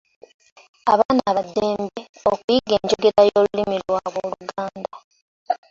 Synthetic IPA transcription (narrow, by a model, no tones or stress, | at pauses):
aβaːnaβadːeːmbeokujiɡe̞ːɲɟoɡiɾajolulimilwaβwoluɡaːnda